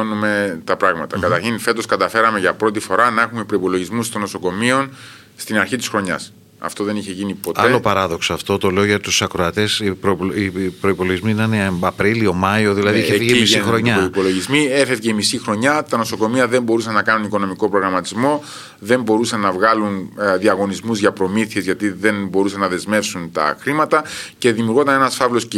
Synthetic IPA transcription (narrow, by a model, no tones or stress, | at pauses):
onume̞t̪ɐpɾɐɣmɐt̪ɐ̰kɐt̪ɐɾçinfe̞t̪o̞skɐt̪ɐfe̞ɾɐme̞ʝɐpɾo̞t̪ifo̞ɾɐnɐe̞xume̞pɾo̞ipo̞lo̞ʝizmust̪o̞nːoso̞ko̞mio̞n | st̪inɐɾçit̪i̥sxɾo̞ɲɐ̰s | ɐ̰ft̪o̞ðe̞niçe̞ʝinipo̞tɐelopɐɾɐðo̞ksoɐft̪o̞t̪o̞loʝɐt̪usɐkɾoɐt̪e̞sipɾoipɾo̞ipo̞loʝizminɐneɐpɾilio̞mɐioðilɐðieeesxɾoɲɐɾoipo̞lo̞ʝizmie̞fevʝe̞imisixɾo̞ɲɐt̪ɐno̞so̞ko̞miɐðe̞mbo̞ɾusɐnːɐkɐnunikono̞miko̞pɾo̞ɣɾɐmɐt̪izmo̞ | ðe̞mbo̞ɾusɐnːɐvɣɐlunðiɐɣo̞nizmuzʝɐpɾo̞miθie̞zʝɐt̪iðe̞nbo̞ɾusɐnːɐðe̞zme̞fsunt̪ɐ̰xɾimɐt̪ɐce̞ðimiuɾɣo̞t̪ɐnenɐsfɐvlosci